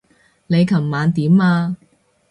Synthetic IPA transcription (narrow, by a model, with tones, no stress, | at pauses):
ne˨˧jkʰɐ˨˩mːaː˨˧nt̪iː˨˥maː˧